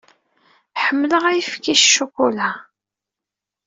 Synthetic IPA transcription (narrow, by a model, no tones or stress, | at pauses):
ħəmːləʁæjəfkiʃʃːukʷula